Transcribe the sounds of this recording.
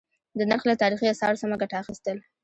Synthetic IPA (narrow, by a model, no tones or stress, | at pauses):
d̪ənaɾxlat̪ɑɾixiasɑɾsamaɡaʈaːxist̪əl